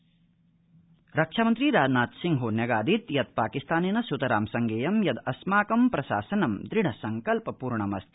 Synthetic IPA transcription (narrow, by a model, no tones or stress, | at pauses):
ɾɐkʂaːmɐnt̪ɾiɾaːd͡ʒnaːt̪siŋɡɦunjɐɡaːd̪ʱit̪jɐd̪̚paːkist̪ʰaːneːnɐsut̪ɐɾaːmsɐŋɡeːjɐmjɐd̪ɐsmaːkɐmpɾɐʃa̰ːsɐnɐmd̪ɾiɳ̤ɐsɐŋkɐlpɐpuːɾɳɐmɐst̪